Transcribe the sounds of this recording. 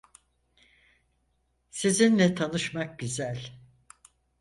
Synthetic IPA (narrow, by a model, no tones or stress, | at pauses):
sizinlɛt̪ʰanɯʃmak̚ɟyzælʲ